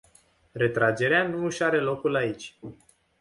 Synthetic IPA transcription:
re̞t̪ɾad͡ʒe̞ɾeanuɨʃaɾe̞lo̞kulait͡ʃʲ

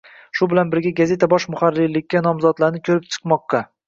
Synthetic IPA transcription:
ʃʊbɪlanbɪɾɡʲaɡaze̞t̪ʰabɒʃmʊχaɾːilːɪkʲːanɒmzɒd̪laɾnɪkʲʰɵɾɪp̚t͡ʃʰɨ̥qmɒqːɑ

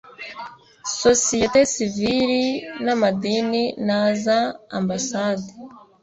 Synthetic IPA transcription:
sosijetesiviɾinamadininaza̰ːmbasade

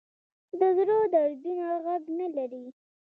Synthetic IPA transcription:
d̪əzɾod̪aɾbinoɣaɡnalaɾi

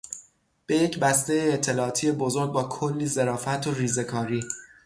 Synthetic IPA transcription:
b̥e̞jecbæst̪e̞jeːt̪ʰːe̞lɒːt̪ʰijebo̞zo̞ɾɡ̚bɒːkʰolːiːze̞ɾɒːfæt̪ʰoriːze̞kʰɒːɾiː

